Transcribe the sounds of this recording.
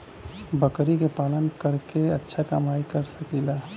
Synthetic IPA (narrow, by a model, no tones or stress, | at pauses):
bəkɾikepaːlənkəɾkeətːʃʰakamaːikəɾsəkilaː